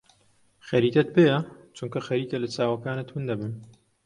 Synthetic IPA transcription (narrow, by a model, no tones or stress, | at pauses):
xɐɾiːt̪ɐt̪̚bejɐt͡ʃuŋkɐxɐɾiːt̪ɐlɐt͡saːwɐkaːnɐt̪ʰund̪ɐbɨn